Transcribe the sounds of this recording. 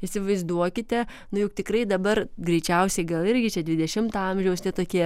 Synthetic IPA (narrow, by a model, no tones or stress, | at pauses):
isʲɪʋɐɪzd̪uɔkʲɪt̪ʲɛ | nʊjʊkt̪ʲɪkrɐɪd̪ɐbɐrɡɾʲɛɪt͡ʃʲɛʊsʲɛɪɡɐlˠɪɾʲɡʲɪt͡ʃʲɛd̪ʲʋʲɪd̪ʲɛʃʲɪmt̪ɐɐmʲʒʲɛʊst̪ʲɛt̪oːkʲiɛ